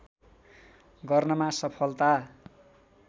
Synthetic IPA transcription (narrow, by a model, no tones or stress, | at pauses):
ɡʌrnʌmasʌpʰʌlt̪a